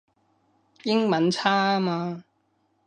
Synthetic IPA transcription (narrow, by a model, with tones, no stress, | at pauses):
jɪ˥ŋmɐ˨˥nt͡sʰaː˥maː˧